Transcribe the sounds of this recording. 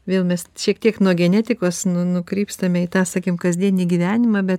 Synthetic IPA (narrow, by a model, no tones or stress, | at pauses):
ʋʲeːlˠmʲɛsʃʲiɛkt̪ʲiɛknuɔɡʲɛnʲæːt̪ʲɪkoːsnʊnʊkɾʲiːpst̪ɐmʲɛɪt̪ɑːsɑːkʲɪmkɐzʲd̪ʲiɛnʲiːɡʲiʋʲæːnʲɪmɑbʲɛt̪